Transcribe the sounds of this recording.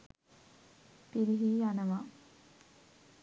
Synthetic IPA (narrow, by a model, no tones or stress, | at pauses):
piɾiɦiːjanəʋa